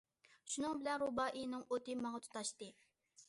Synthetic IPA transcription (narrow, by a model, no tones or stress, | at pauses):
ʃunɨŋbɪlɛnɾubɑːʔinɨŋot̪ɨmɑŋɑt̪ʰu̥t̪ɑʃt̪ɨ